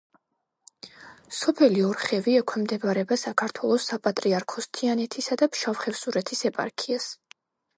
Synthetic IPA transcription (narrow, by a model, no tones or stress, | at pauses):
sɔpʰɛliɔɾχɛviɛkʰwɛmd̪ɛbɾɛbasakʰaɾt̪ʰwɛlˠɔsapʼat̪ʼɾiaɾkʰɔst̪ʰianɛt̪ʰisad̪apʃavχɛvsuɾɛt̪ʰisɛpʼa̰ɾkʰias